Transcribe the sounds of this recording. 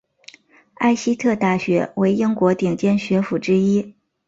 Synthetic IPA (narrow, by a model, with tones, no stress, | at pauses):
a˥˩ɪɕi˥t̪ʰɤ˥˧t̪a˥˩ɕɥɛ̰˧˥we˧˥ɪi˥ŋkwɔ˧˥t̪i˨˩ŋt͡ɕjɛ˥nɕɥɛ˧˥fu˨˩ʈ͡ʂɻ̩˥i˥